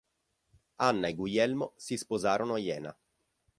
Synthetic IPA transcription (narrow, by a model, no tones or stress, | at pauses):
anːaeɡwujɛlmosispozaːɾonoajɛːna